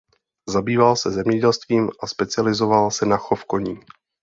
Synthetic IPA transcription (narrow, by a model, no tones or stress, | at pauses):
zabiːvalsɛzɛmɲɛɟɛlst̪viːmʔaspɛt͡sɪalɪzovalsɛnaxofkoɲiː